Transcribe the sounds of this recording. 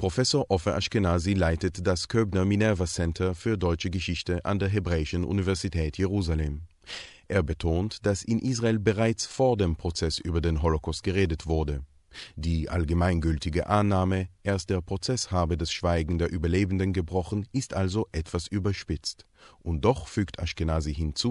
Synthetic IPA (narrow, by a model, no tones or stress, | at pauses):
pʁ̥ofɛsoːɐʔɔfəʔa̰ʃkenaːzilaɪtətd̥askʰøːbnɐminɛvɐsɛntʰɐfyːɐdɔʏt͡ʃəɡəʃɪçtəʔa̰ndeːɐɦebʁɛːɪʃənʔṵnivɛɐzitʰɛːtʰjeʁuːzaleːm | ʔeːɐbətʰoːntd̥asɪnʔiːs̬ʁaeːlbəʁaɪt͡sfoːɐdeːmpʁ̥ot͡sɛsʔyːbɐdeːnɦɔlokʰɔst̚ɡ̥əʁeːdətv̥ʊɐdə | d̥iːʔa̰lɡəmaɪnɡʏltɪɡə̰ʔanːaːməʔeːɐst̚d̥eːɐpʁ̥ot͡sɛshaːbədɛsʃv̥aɪɡŋ̩deːɐʔyːbɐleːbn̩dənɡəbʁɔχn̩ʔɪstʔalzoʔɛtv̥asʔyːbɐʃpɪt͡st | ʔʊnt̚d̥ɔχfyːktʰa̰ʃkɪnaːziɦɪnt͡suː